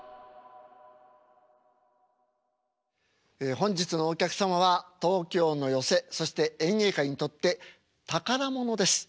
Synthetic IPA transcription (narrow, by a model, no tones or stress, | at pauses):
ehõ̞ɲ̟d͡ʑit͡sɨno̞ːkʲakɯ̟̥samaβ̞at̪o̞ːkʲo̞ːno̞jo̞se̞so̞ɕi̥t̪e̞ẽ̞ɰ̃e̞ːkaiɲ̟it̪o̞t̪ːe̞ | t̪akaɾamo̞no̞d̪e̞sɨ̥